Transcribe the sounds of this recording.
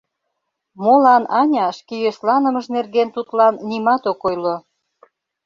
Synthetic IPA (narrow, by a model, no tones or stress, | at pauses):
molɑnɑnʲɑʃkejøslɑnə̆məʃnerɣent̪ut̪lɑnːimɑt̪okojlo